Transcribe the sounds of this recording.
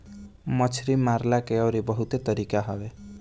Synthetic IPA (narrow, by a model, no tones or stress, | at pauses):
mɔt͡ʃʰɾimaɾlakeɔɾibɔɦut̪et̪ɔɾikaɦɔbe